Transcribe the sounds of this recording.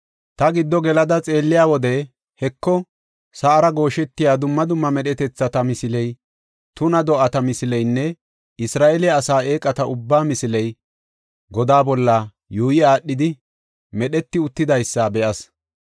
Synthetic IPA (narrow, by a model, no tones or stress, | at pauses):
t̪ɐɡɪd̪ːɔɡɛlɐd̪ɐt͡sʼe̞ːlːɪjaːwɔd̪ɛ | hɛkːɔ | sɐʔɐɾɐɡo̞ːʃɛt̪ːɪjaːd̪ʊmːɐd̪ʊmːɐmɛɗɛt̪ɛt͡sːɐt̪ɐmɪsɪlɛj | t̪ʊnɐd̪ɔʔɐt̪ɐmɪsɪlɛjnːɛ | ɪsɾaːʔɛlɪjɐːsaːʔeːkʼɐt̪ɐʊbːaːmɪsɪlɛj | ɡɔd̪aːbɔlːɐ | juːjɪaːɗːɪd̪ɪ | mɛɗɛt̪ːɪʊt̪ːɪd̪ɐjsːɐbɛʔɐs